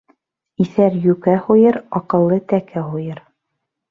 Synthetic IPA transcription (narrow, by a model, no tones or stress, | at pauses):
iθæɾjʉkæhujɤɾɑqɤ̆lˠːɤt̪ækæɦujɤɾ